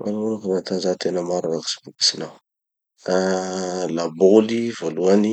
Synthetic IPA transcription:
mʔa̰lunkunat̪anzat̪ʰenəmaɾaɾaki̥si̥buki̥sinaw | a | labolivoluani

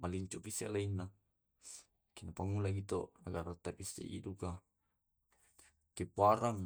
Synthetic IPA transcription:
maliɲt͡ʃuʔpisalainːa | kinapaŋːulaɡit̪onaɡaɾat̪ːapisːḛʔḭduka | kepuaɾaŋ

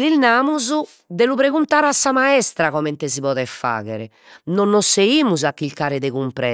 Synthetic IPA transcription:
lilnaːmuzu | d̪elupɾeɣunt̪aːɾasːamaɛst̪ɾaɣɔmɛnt̪ɛziβɔðɛfːa̰ːɣɛɾɛ | nɔnːɔsːeiːmuzakːilkaːɾɛðɛɣumpɾɛ

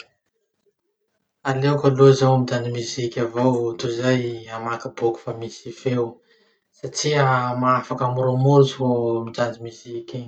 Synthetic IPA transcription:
alewkalozawamid͡ʒanimizikʲavowt̪uzajamakiboku̥famisifew | saʈ͡ʂiamaafakamuɾomuɾt͡suomid͡ʒand͡ʒimizikʲi

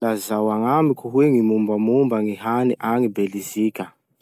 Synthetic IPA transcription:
lazawaŋamikuɦweŋimumbamumbaŋiɦaniʔaŋibelizikʲa

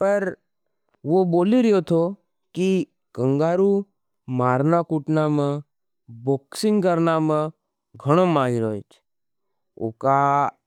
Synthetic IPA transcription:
pəɾ | ʋoboːliɾjot̪ʰo | ki | kə̃ŋɡaːɾu | maːɾnakuʈnamə̃ | boksɪ̃ŋɡkəɾnamã | ɡʱəɽ̃omaɦiɾojt͡ʃʰe̥ | o̰ka

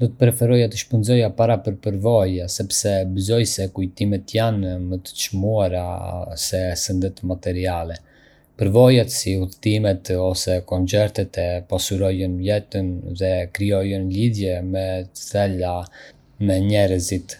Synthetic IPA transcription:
d̪ɔt̪ə̥pɾɛfɛɾɔjat̪əʃpənzɔjapaɾapəɾpəɾvɔjasɛpsɛbəzɔjsɛkujt̪imɛt̪janmət̪ə̥t͡ʃmuaɾasɛsənd̪ɛt̪mat̪ɛɾialɛ | pəɾvɔjat̪siuðt̪imɛt̪ɔsɛkɔnt͡sɛɾt̪ɛt̪ɛpɔsuɾɔjənlɛt̪ənðɛkɾiɔjənliðjɛmɛt͡sɛla | mɛɲɛɾəzit̪

